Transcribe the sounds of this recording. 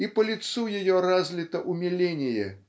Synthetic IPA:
ipɐlʲit̪sujajɔɾazʲlʲit̪ɐʔumʲɛlʲenʲɪjɛ̰

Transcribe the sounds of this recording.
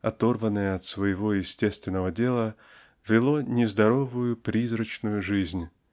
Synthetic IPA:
ɐt̪o̞rvənːəjəɐt̪svəjɪvo̞jɪsʲtʲe̞st̪vʲɪnːəvədʲe̞lˠə | vʲɪlˠo̞nʲɪzd̪ɐɾo̞vʊjʊpɾʲizɾət͡ɕnʊjʊʐɨzʲnʲ

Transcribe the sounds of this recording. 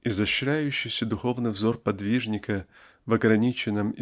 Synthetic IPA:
ɪzɐɕɾʲæjʉɕːɪjsʲəd̪ʊxo̞vnɨjvzo̞rpɐd̪vʲiʐnʲɪkə | vɐɡɾɐnʲit͡ɕɪnːɨm

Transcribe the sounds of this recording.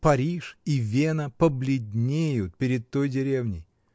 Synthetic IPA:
pɐɾʲiʂivʲenəpəblʲɪdʲnʲejʊt̪̚pʲɪɾʲɪt̪̚t̪ːojdʲɪɾʲevnʲɪ̰j

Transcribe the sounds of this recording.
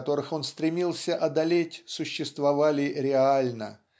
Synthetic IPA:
t̪o̞ɾɨxo̞nst̪ɾʲɪmʲilˠsʲəʔɐd̪ɐlʲetʲsʊɕːɪst̪vɐvalʲɪɾʲɪalʲnə̰

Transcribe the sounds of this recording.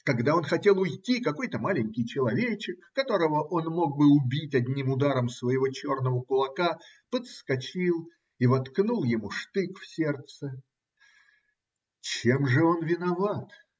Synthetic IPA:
kɐɡd̪ao̞nxɐtʲe̞lˠʊjtʲikɐko̞jt̪əmalʲɪnʲkʲɪjt͡ɕɪlˠɐvʲet͡ɕɪkːɐt̪o̞ɾəvəʔo̞nmo̞ɡ̚bɨʊbʲitʲɐdʲnʲimʊd̪aɾəmsvəjɪvo̞t͡ɕo̞rnəvəkʊlˠɐka | pət̪skɐt͡ɕilˠ | ivɐt̪knulˠjɪmuʂt̪ɨkfsʲe̞rt̪sə | t͡ɕemʐɨo̞nvʲɪnɐvat̪

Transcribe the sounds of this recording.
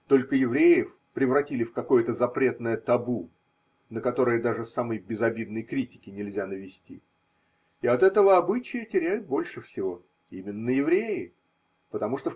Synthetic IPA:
t̪o̞lʲkəjɪvɾʲejɪf | pɾʲɪvrɐtʲilʲɪfkɐko̞jət̪əzɐpɾʲe̞t̪nəjət̪ɐbu | nəkɐt̪o̞ɾəjəd̪aʐɨsaməjbʲɪzɐbʲid̪nəjkɾʲitʲɪ̥kʲɪnʲɪlʲzʲanəvʲɪsʲtʲḭ | ɪɐt̪ɛt̪əvəɐbɨt͡ɕɪjətʲɪɾʲæjʊt̪̚bo̞lʲʂɨfsʲɪvo̞ | imʲɪnːəjɪvɾʲejɪ | pət̪ɐmuʂt̪o

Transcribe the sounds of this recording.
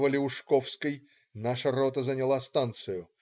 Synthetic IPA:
vəlʲɪʊʂkofskəj | naʂɐɾot̪əzənʲɪlˠast̪ant̪sɨjʊ

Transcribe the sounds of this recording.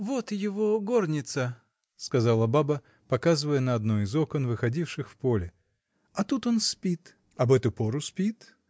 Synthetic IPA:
vo̞t̪jɪvo̞ɡornʲɪt̪sə | skɐzalˠəbabə | pɐkazɨvəjənɐɐd̪noɪzo̞kənvɨxɐdʲifʂɨxfpo̞lʲɪ | ɐt̪ut̪o̞nspʲit̪ | ɐbɛt̪ʊpo̞ɾʊspʲit̪

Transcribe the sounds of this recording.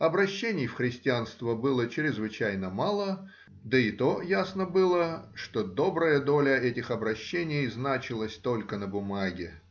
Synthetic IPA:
ɐbɾɐɕːenʲɪjfxɾʲɪsʲtʲɪanst̪vəbɨlˠət͡ɕɪɾʲɪzvɨt͡ɕæjnəmalˠə | d̪əɪt̪o̞jasnəbɨlˠəʂt̪o̞d̪o̞bɾəjəd̪o̞lʲəɛtʲɪxɐbɾɐɕːenʲɪjznat͡ɕɪlˠəsʲt̪o̞lʲkənəbʊmaɡʲɪ

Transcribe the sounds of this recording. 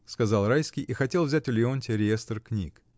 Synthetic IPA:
skɐzɑlˠɾajskʲɪjʔixɐtʲe̞lˠvzʲætʲʊlʲɪonʲtʲɪɾʲɪjest̪rknʲḭk

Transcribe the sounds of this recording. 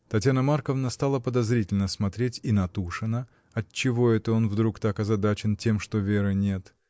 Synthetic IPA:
t̪ɐtʲjʲanəmarkəvnəst̪alˠəpəd̪ɐzɾʲitʲɪlʲnəsmɐt̪ɾʲetʲinɐt̪uʂɨnə | ɐtt͡ɕːɪvo̞ɛt̪əo̞nvd̪ɾukt̪akɐzɐd̪at͡ɕɪntʲe̞mʂt̪ovʲeɾɨnʲe̞t̪

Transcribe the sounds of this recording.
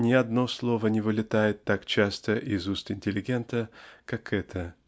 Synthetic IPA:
nʲɪɐd̪no̞slˠo̞vənʲɪvɨlʲɪt̪ajɪt̪ːakt͡ɕast̪əʔɪzust̪ɪnʲtʲɪlʲɪɡʲe̞nt̪əkakɛt̪ʰə

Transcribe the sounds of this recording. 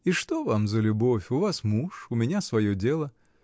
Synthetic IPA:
iʂt̪ovamzəlʲʊbo̞fʲʊvasmuʂʊmʲɪnʲasvɐjodʲelˠə

